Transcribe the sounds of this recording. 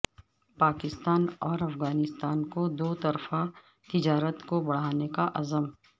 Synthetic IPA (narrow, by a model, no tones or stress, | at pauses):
paːkɪst̪aːnɔːɾɐfɣaːnɪst̪aːnkod̪oːt̪ɐɾfa | t̪ɪd͡ʒaːɾət̪kobɐɽ̤aːnekaʔɐzəm